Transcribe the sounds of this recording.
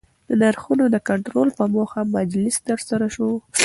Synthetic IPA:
d̪ənaɾxunod̪əkaɳʈɾolpəmoxamad͡ʒlɪst̪əɾsaɾaʃo

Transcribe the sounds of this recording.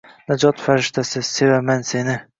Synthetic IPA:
nad͡ʒɒt̪faɾɪʃt̪ʰasɪse̞vamanse̞nɪ

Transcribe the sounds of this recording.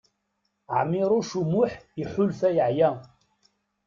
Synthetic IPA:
ʕmɪɾˤʊʃumuħiħʊlfæjəʕjæ

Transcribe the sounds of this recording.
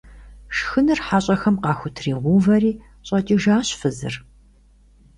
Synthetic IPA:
ʂxɨnɨrħaːɕʼɐxɐmqɑːxʷʊtʰriːʁʷuːvɐriː | ɕʼɐt͡ʃʼiːʒaːɕfɨzɨ̰r

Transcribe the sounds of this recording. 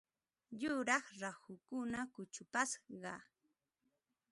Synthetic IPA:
jʊɾɑχɾahʊkʊnakʊt͡ʃʊpasɢɑ

